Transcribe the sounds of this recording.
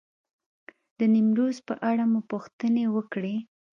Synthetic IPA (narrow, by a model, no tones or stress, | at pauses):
d̪̥ənimɾozpə̰ʔaɽamupuxt̪ənewəkɽe